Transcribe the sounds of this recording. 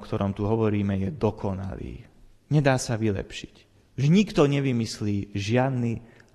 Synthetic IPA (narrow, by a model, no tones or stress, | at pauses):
kt̪ɔɾɔmt̪uɦɔʋɔɾiːmɛjɛd̪ɔkʰɔna̰lḭː | ɲɛd̪aːsaʋilɛ̰pʃi̥c | uʒɲikt̪ɔɲɛʋimisliːʒɪad̪ni